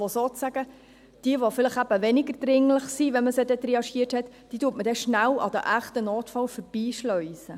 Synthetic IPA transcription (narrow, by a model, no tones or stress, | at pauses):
osoːt͡sæɡ̥ə | d̥iəʋofɪləχæb̥əʋɛnɪɡəɾd̥̪ɾɪŋləχsiʋɛnməsed̥̪ɛt̪ɾɛɑʃiəthɛt̪ | d̥iːtuːətmədɛʃnælɑ̰d̪ə̰ʔæχt̪ənoːtfɑlfœɾb̥iːʃlœʏsə